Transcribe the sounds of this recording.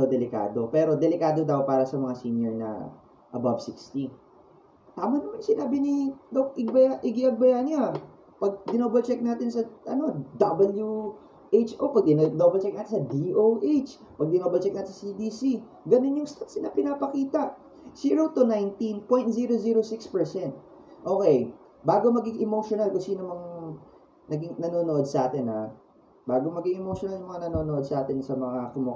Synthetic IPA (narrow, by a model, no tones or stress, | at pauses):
d̪ɐwd̪ɛlɪka̰ːd̪o̞pɛːɾo̞d̪ɛlɪkaːd̪od̪ɐwpaːɾɐsɐmɐŋasiːnjoɹnɐ̰ | ʔɐbabsikst̪i | t̪aːmɐnɐmansɪnaːbɪnid̪ok̚ɪɡ̚bɐjaʔɪɡiʔɐɡ̚bɐjaɲa | pɐɡ̚d̪ɪnoːbɛlt͡ʃɛk̚naːt̪ɪnsɐʔɐ̰no̞d̪ɐbɐlju | ʔejt͡ʃʔopɐɡ̚d̪ɪnnobɛlt͡ʃɛk̚naːt̪ɪnsɐd̪iʔowʔet͡ʃ | pɐɡ̚d̪ɪnobɐlt͡ʃɛk̚naːt̪ɪnsɐsid̪iːsi | ɡɐnɪnjʊŋst̪at̪sɪnɐpɪnaːpɐkiːt̪ɐʔ | siːɹot̪ʊnajnt̪inpoj̃nt̪̚ziːɾoziːɾosɪkspɛɹsɛnt̪̚ | ʔo̞ːkɛj | baːɡo̞mɐɡɪŋʔɪmowʃonalkʊŋsiːnomɐŋ | nɐɡɪŋnɐnonoʔo̞d̪̚sɐʔaːt̪ɪna̰ | baːɡomɐɡɪŋʔɛmoʃonaljʊŋmɐŋanɐnonoʔod̪̚sɐʔaːt̪ɪnsɐmɐŋakʊmʊ